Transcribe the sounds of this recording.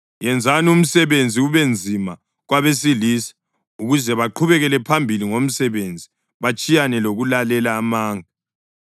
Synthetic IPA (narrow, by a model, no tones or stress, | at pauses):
jɛnd͡zʱanum̩sɛβend͡zʱiuβend͡zʱima | ɣwaβesiliːsi̥ | uɣuzɛβaǃʰuβɛɣɛlɛpʰambʱiliŋom̩sɛβend͡zʱi | βat͡ʃʼijanɛloɣulalɛlaːmaːŋa